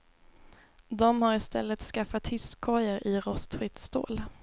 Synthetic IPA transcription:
d̪ɔmhaɾɪst̪ɛ̰lːət̪skafat̪hɪskʰːɔjəɾʔɪɾɔst̪ɧɪt̪st̪o̰ːl

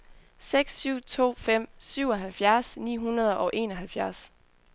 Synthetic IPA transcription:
seɡ̥sːyʊ̰t͡sʰo̝̰ːfem̰syʊ̰ɒ̽ɦælfjæɐsnḭːɦunɐð̞ˠʔɒ̽ʔe̝ːnɒɦælfjæɐs

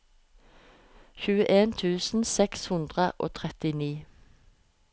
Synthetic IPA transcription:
çʉːəʔeːnt̪ʰʉːsn̩sɛkshʉnd̪ʁəʔo̰ːt̪ʰʁɛt̪ɪniː

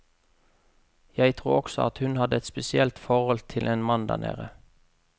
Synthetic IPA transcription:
jæɪt̪ʰʁuːɔksɔ̰ɑt̪hʉnhɑd̪əɛt̪spɛsɪɛlt̪fɔʁhɔlt̪ʰɪlʔeːnmɑnd̪æ̰ʁnʔḛːʁə

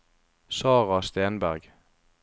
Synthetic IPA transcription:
sɑːʁɑst̪eːnbæʁɡ

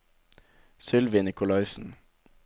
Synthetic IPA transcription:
sʏlʋɪnɪkʊlɑɪsn̩

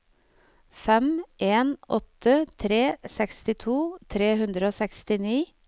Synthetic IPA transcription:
fɛmʔeːnʔɔt̪ət̪ʰɾeːsɛkst̪ɪt̪ʰuːt̪ʰɾeːɦʉnd̪ɾəoːsɛkst̪ɪniː

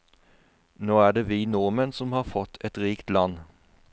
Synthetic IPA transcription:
noːæːɖ̪eːʋiːnɔʁmənsɔmhɑːʁfɔt̪ʰːɛt̪ʁiːkt̪lɑn

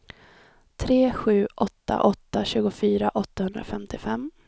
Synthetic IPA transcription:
t̪ʰɾeːɧʉ̟ːʔɔt̪ːa̰ʔɔt̪ːaɕʉ̟ːɡʊfyːɾaʔɔt̪ːahɵnd̪ɾa̰fɛmt̪ɪfɛmː

